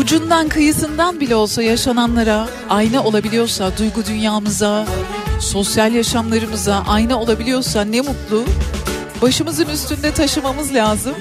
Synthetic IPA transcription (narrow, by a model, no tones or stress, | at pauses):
ud͡ʒund̪ankʰɯjɯsɯnd̪anbilʲɛo̞lˠsajaʃananlˠaɾa | ajnɯo̞lˠabilʲijo̞ɾsad̪ujɡud̪ynjaːmɯza | so̞sjalʲjaʃamlˠaɾɯmɯzaʔajnɯo̞lˠabilʲijo̞ɾsanɛmut̪lˠu | baʃɯmɯzɯnyst̪ʰynd̪ɛt̪ʰaʃɯmamɯzlʲaːzɯm